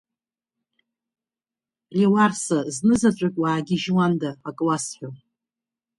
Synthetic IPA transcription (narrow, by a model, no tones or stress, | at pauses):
rawarsaznɨzat͡ʃʷʼʊkʲʼwaːɡʲɪʒwandaːkʼlasħʷᶣo